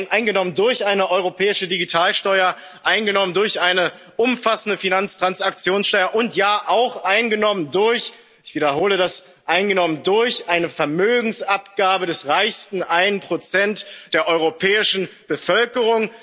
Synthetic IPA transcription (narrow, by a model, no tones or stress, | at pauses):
nʔaɪnɡənɔməndʊɐçʔaɪnəʔɔʏʁopʰɛːɪʃədiɡitʰaːlʃtɔʏɐ | ʔaɪnɡənɔməndʊɐçʔaɪnə | ʔʊmfasn̩dəfinant͡stʁ̥ansak̚t͡sjoːnsʃtɔɐʔʊntjaːʔaʊxʔaɪnɡənɔməndʊɐç | ɪçv̥idɐɦoːlədas | ʔaɪnɡənɔməndʊɐçʔaɪnəfɛɐmøːɡŋ̩sapɡ̥aːbədɛsʁaɪçstn̩ʔaɪnənpʁ̥ot͡sɛntd̥eːɐʔɔʏʁopʰɛːɪʃn̩b̥əfœlkəʁ̞ʊŋ